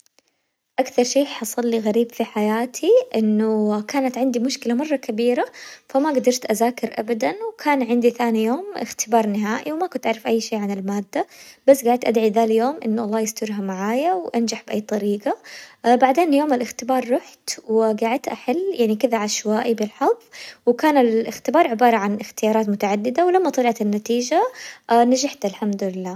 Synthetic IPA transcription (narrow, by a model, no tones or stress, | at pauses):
ʔakθɑɾˤʃeːħɑsˤɑlːiɣaɾiːbfiħajaːt̪ʰiʔɪnːʊkaːnat̪ʕɪnd̪imʊʃkɪlamɑrˤːɑkabiːɾafamaɡad̪ɑɾˤt̪ʔazaːkɪɾʔabad̪anwkʰaːnʕɪnd̪iθaːnijoːmʔɪxt̪ɪbɑːɾˤnɪɦaːʔiwmakʊnt̪ʔaʕɾɪfʔajːʃeːʕanɪlmaːd̪ːab̥asːɡaːʕɪd̪̚t̪ʔad̪ʕiðaːljoːmʔɪ̰nːʔɑlˤːɑːjɪst̪ʊɾɦamaʕaːjawʔand͡ʒaħbʔajːt̪ˤɑɾiːɡabaʕd̪eːnjoːmɪlʔɪxt̪ɪbɑːɾˤːʊħt̪wɪɡaːʕɪd̪̚t̪ʔaħɪlːjaʕnikɪðaʕaʃwaːʔibɪlħɑðˤːwɪkaːnɪlɪxt̪ɪbɑːɾˤʕɪbɑːɾˤɑʕanʔɪxt̪ɪjɑːɾˤɑːt̪mʊt̪aʕad̪ːɪd̪awlamːat̪ˤɑliʕt̪ɪnːat̪iːʒanad͡ʒaħt̪alħamd̪ʊlɪlːaː